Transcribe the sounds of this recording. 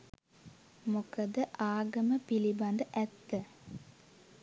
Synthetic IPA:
mukəd̪əʔaːɡəməpiliband̪əʔæt̪ːə

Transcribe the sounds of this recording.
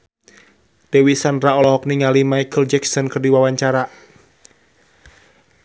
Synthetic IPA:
d̥ɛwisandraɔlɔɦɔk̚niŋalimajkʰəld͡ʒɛksɔnkərdiwawaɲt͡ʃaɾa

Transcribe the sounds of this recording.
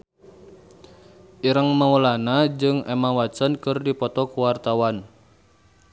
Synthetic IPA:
ʔiɾəŋmawəlanad͡ʒɨŋɛmawat͡ʃənkɨrdipɔt̪ɔkuwart̪awan

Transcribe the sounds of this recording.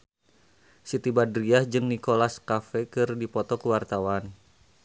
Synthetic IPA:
sit̪ibadɾiahd͡ʒɨŋnikolaskafɛkɨrdipɔt̪ɔkəwart̪awan

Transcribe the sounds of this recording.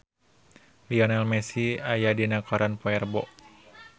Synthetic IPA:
liɔnalmɛsiajadinakɔɾanpɔɛrbɔ̰ʔ

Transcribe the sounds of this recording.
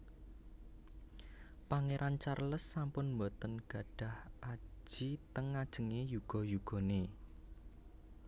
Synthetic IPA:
paŋeɾʔant͡ʃarləsːampʊnmbɔt̪ənɡ̥ä̤ɖ̥a̤hʔḁd͡ʒʒ̥it̪əŋːad̥ʒ̥ə̤ŋejuɡ̥ɔ̤juɡ̥ɔ̤ne

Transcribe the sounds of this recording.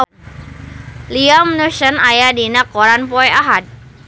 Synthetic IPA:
liamnusənajadinakɔɾanpɔɛaɦat̪̚

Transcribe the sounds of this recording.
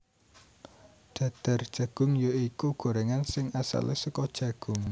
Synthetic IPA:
ɖ̪̥a̤d̪̥a̤rd̥ʒ̥ä̤ɡ̥ʊ̤ŋjoikuɡ̥o̤ɾeŋansɪŋasa̰lesəkɔd̥ʒ̥ä̤ɡ̥ʊ̤ŋ

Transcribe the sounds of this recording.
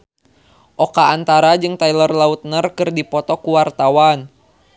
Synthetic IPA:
ʔɔkaːnt̪aɾad͡ʒɨŋt̪ailərlaut̪̚nərkɨrdipɔt̪ɔkuwart̪awan

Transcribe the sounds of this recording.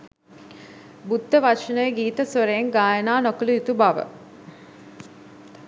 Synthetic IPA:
bud̪ːəʋaʂənəjəɡiːt̪əsoɾəjeŋɡaːjənaːnokəluit̪ubaʋə̰

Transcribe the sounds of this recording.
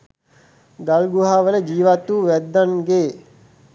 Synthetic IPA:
ɡalɡuɦaːʋələd͡ʒiːʋat̪uːʋɛd̪ːanɡeː

